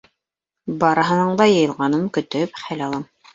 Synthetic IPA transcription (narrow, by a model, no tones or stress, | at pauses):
bɑɾɤ̆ɦɤ̆nɤɴd̪ɑjɤ̆jɤ̆lˠʁɑnɤmkɵ̆t̪ɵpχælɑlˠɑm